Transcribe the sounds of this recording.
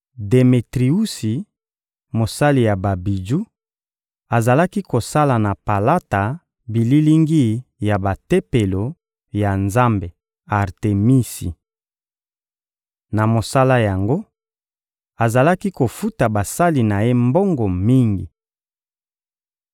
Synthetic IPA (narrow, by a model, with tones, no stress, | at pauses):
de˨me˨tʁi˨u˦si˨ | mo˨sa˦li˨ja˨ba˨bi˨d͡ʒu˦ | a˨za˨la˦ki˦ko˨sa˦la˨na˨pa˨la˦ta˨ | bi˨li˦li˦ŋɡi˦ja˨ba˨te˦pe˨lo˨ | ja˨nza˦mbe˨ | a˨ʁte˨mi˦si˨ | na˨mo˨sa˦la˦ja˨ŋɡo˦ | a˨za˨la˦ki˦ko˨fu˦ta˨ba˨sa˦li˨na˨je˦mbo˦ŋɡo˨mi˦ŋɡḭ˨